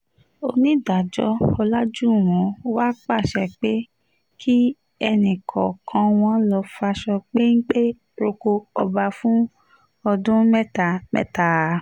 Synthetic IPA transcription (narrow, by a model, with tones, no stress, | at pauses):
o˧nĩ˦da˨d͡ʒɔ̰˦ɔ˧la˦d͡ʒu˦˨w̃ɔ̃˨˦wa˦k͡pa˦˨ʃɛ˨k͡pe˦ | kʰi˦ | ɛ˧nĩ˨kʰɔ˨kʰã˧w̃ɔ̃˧˦lɔ˧fa˧ʃɔ˧k͡pe˦ŋ̩˦k͡pe˦ | ɾo˧ko˧ɔ˧ba˧fũ˦ | ɔ˧dũ˦mɛ˦ta˨mɛ̰˦ta˨